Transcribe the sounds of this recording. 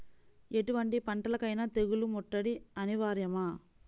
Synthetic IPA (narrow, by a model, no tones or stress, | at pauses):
e̞ʈuʋɐɳʈipɐɳʈɐlɐkɐjnɐt̪eɡulumɔʈːɐɽiɐniʋaːɾjɐma